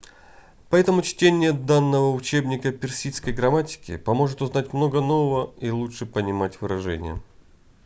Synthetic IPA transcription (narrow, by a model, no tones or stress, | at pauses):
pɐɛt̪əmʊt͡ɕtʲenʲɪjəd̪anːəvəʊt͡ɕe̞bnʲɪkəpʲɪrsʲiskəjɡɾɐmatʲɪ̥kʲɪ̰pɐmo̞ʐɨt̪ʊznatʲmno̞ɡəno̞vəvəilˠuʂɨpənʲɪmatʲvɨɾɐʐɛ̰nʲɪ̰jə̰